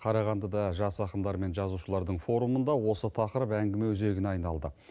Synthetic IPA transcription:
qʰɑɾɑʁɑnd̪əd̪ɑʒɑsɑqəmd̪ɑɾme̞nʒɑzuʃəlˠɑɾd̪əɴfo̞ɾumənd̪ɑwo̞sət̪ʰɑqəɾəpæŋɡʲɪme̞wʏze̞ɡʲɪnɑjnɑlˠd̪ə

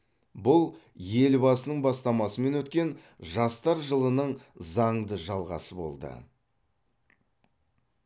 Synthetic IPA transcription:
bʊlˠje̞lbɑsənəɴbɑst̪ɑmɑsəme̞nwɵt̪kʲe̞n | ʒɑst̪ɑɾʒəlˠənəɴzɑɴd̪əʒɑlˠʁɑ̰səbo̞̰lˠd̪ə̰

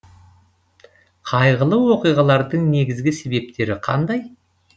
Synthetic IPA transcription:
qʰɑjʁəlˠəwo̞qijʁɑlˠɑɾd̪əɴne̞ɡʲɪzɡʲɪse̞be̞p̚t̪e̞ɾɪqʰɑ̰nd̪ɑj

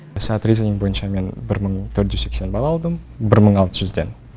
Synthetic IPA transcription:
sat̪rʲizenʲiŋbo̞jənʃɑme̞nbɪɾməɴt̪ʰɵɾt̪ʒʏzse̞kse̞nbɑlˠɑːlˠd̪əmbɪɾməɴɑlˠt̪əʒʏzd̪e̞̰n

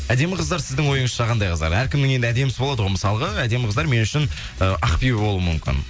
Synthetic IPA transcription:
æd̪e̞mɪqəzd̪ɑɾsɪzd̪ɪŋwo̞jəɴəzʃɑqɑnd̪ɑjqʰəzd̪ɑ̰ɾæɾkʲʰɪmnd̪ɪŋe̞nd̪ɪæd̪emsɪbolˠɑd̪əʁwojmɪsɑlˠəʁəæd̪e̞mɪqəzd̪ɑɾme̞nʏʃɪn | əɑqpijbo̞lˠuwəmʏmkʲɪ̰n

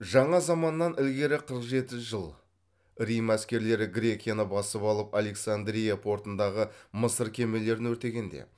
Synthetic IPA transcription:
ʒɑɴɑzɑmɑnːɑnɪlɡʲe̞ɾɪqʰəɾəqʒe̞t̪ɪʒəlˠ | ɾijmæskʲe̞ɾle̞ɾɪɡɾʲe̞kʲijanəbɑsəpɑlˠəpale̞ksand̪ɾʲijapʰo̞ɾt̪ənd̪ɑʁəməsəɾkʲʰe̞me̞le̞ɾɪnwɵɾt̪e̞ɡʲe̞nd̪ḛ

